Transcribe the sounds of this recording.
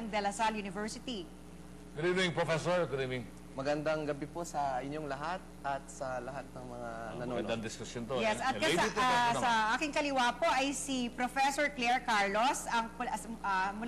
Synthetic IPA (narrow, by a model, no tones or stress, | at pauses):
ŋd̪ɛlɐsaljunɪvɛɹsɪt̪i | kʊninʊɪŋpɾofɛsoɹɡʊnɪnŋ | mɐɡɐnd̪aŋɡɐbiposɐʔɪɲːoŋlɐɦat̪̚ʔɐt̪̚sɐlɐɦat̪̚nɐŋmɐŋanɐnɐoɐnd̪ɐŋd̪ɪskʊsjont̪ojɛsɐt̪kɐt̪asɐʔaːkɪŋkɐlɪwaːpo̞ʔɐjsipɾofɛsoɹklɛɹkaɹlosɐŋpɐmʊ